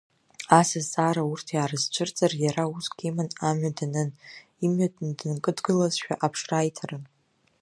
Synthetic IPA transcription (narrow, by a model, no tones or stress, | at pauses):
asazaːɾaurtʰjaːɾɨzt͡ʃʷʰɨrt͡sʼarjaɾausɡʲimanamɥadanɨn | imɥadndɨnkʼɨdɡɨlazʃᶣa̰ʔapʰʂraːjtʰarɨn